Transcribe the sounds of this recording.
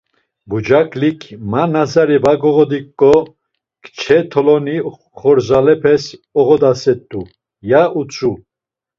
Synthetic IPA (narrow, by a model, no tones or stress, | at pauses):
bud͡ʒakʼlikʰmanazaɾibaɡɔɣɔd̪ikʼːɔ | kʰt͡ʃʰɛt̪ʰɔlɔni | χɔɾzalɛpʰɛsɔʁɔd̪asɛt̪ʼːu | jaut͡sʼu